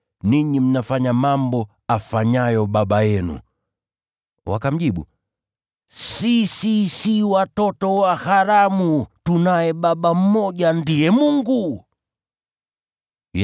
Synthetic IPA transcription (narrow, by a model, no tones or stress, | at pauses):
niɲim̩nafaɲamambɔ | afaɲajɔɓaɓajɛnṵ | wa̰kam̩ʄiɓṵ | sisisiwatɔtɔwahaɾamutunajɛɓaɓam̩mɔʄandiɛmuŋɡu